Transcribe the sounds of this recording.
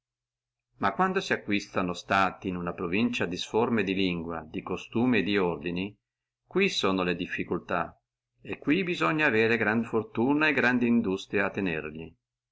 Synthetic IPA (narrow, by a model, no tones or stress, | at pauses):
makːwand̪osiakːwist̪anost̪aːt̪iːnunapɾovint͡ʃad̪isformed̪iliŋɡwa̰d̪ikost̪uːmed̪iord̪ini | kwisoːnoled̪ifːikult̪a | ekːwibizoɲːaːveːɾeɡɾand̪fort̪uːnaeɡɾand̪iːnd̪ust̪ɾijaat̪ːenḛrʎi